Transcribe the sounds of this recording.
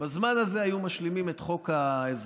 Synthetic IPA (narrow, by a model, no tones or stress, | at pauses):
bazmanaze̞ajumaʃlimimet̪χo̞kaez